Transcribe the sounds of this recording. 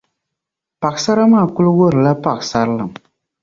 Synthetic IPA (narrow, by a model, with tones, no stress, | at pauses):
pa˨ɡsa˦ɾa˦maː˦˨kʊ˦lwo˦ɾɨ˨la˦pa˨ksa˦ɾlɨ˨m